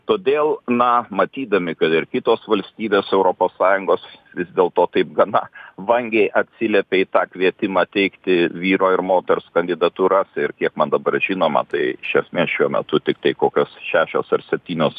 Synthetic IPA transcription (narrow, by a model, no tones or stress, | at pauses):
t̪oːd̪ʲeːlˠnɐmɐt̪ʲiːd̪ɐmʲɪkɐt̪ɪɾkʲɪt̪oːsʋɐlʲsʲt̪ʲiːbʲeːsɛʊɾoːpoːssɑːjʊŋɡoːsʋʲɪzd̪ʲeːlˠt̪oːt̪ɐɪp̚ɡɐnɐʋɐŋʲɡʲɛɪʔɐt̪ʲsʲɪlʲɛpʲeːit̪ɑːkʋʲiɛt̪ʲɪmɑːt̪ʲɛɪkt̪ʲɪʋʲiːɾoːɪɾmoːt̪ʲɛɾskɐnʲd̪ʲɪd̪ɐt̪uːɾɐsɪrkʲiɛkmɐnd̪ɐbɐrʒʲiːnoːmɐ̰t̪ɐɪʃʲɛsʲmʲeːsʃʲuɔmʲɛ̰t̪ʊt̪ʲɪk̚t̪ɐɪkoːkʲoːsʃʲæːʃʲo̰ːsɐrsʲɛp̚ʲt̪ʲiːnʲoːs